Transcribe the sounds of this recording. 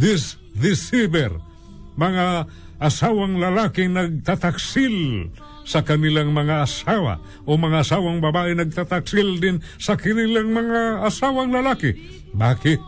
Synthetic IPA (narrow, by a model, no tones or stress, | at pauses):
d̪ɪs | d̪ɪsibɛr | maŋaː | sawaŋlalakɪnaɡ̚t̪at̪aksil | sakanilaŋmɐŋaːsawa̰ | omaŋaːsawaŋbabaʔinaɡ̚t̪at̪aksild̪ɪn | sakɪnilaŋmɐŋaːsawaŋlalakɪ | bakɪ